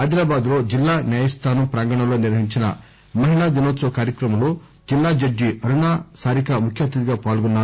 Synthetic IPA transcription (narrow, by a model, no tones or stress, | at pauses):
aːd̪iɾaːbaːd̪ɾod͡ʒilːaːnjaːjɐst̪ʰaːnupɾaːŋɡɐɳɐluniɾʋɐɦiɲt͡ʃinɐ̰ | mɐɦilaːd̪inoːt̪sɐkaːɾjɐkɾɐmɐlu | d͡ʒilːaːd͡ʒɐd͡ʒːiɐɾuɳaːsaːɾikɐmukʰjaːt̪ːɐd̪iɡɐpaːlɡunːaː